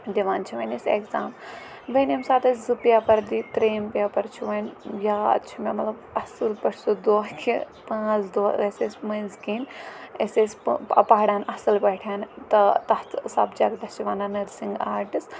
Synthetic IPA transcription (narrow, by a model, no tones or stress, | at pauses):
d̪iʋaːnt͡ʃʰiʋɐnisḛkzaːm | ʋɐnimsaːt̪ɐzɨpjaːpɐɾd̪it̪ɾeːmpjaːpɐɾt͡ʃʰiʋɐnjaːɐ̰t͡ʃʰumemɐt̪lɐbɐsɨlpɐʈʰsud̪oːɦkʰḭ | pãːt͡sʰd̪oːeseːsʲmɐzɡiːneseːsʲpɐpaːɽaːnʔɐsɨlbɐʈʰaːnt̪ɐt̪ɐht̪ʰsa̰ːbd͡ʒaːɡd̪ɐst͡ʃiʋaːnanɐɾsiŋɡaːɾʈɨs